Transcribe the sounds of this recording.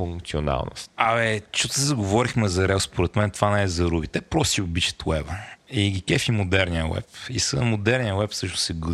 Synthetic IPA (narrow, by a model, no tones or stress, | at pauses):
uŋkt̪siona̰lˠno̰st̪ɐɛt͡ʃot̪əzəɡovɔɾixmɛzɐɾɛlˠspoɾɛt̪mɛnt̪vanɛɛzɐɾubit̪ɛpɾɔsiʊbit͡ʃə̥t̪wɛvəiɡʲikɛfimod̪ɛɾnijəwɛ̰pisənmod̪ɛɾnijəwɛpsɤʃnʊ̥sɛɡu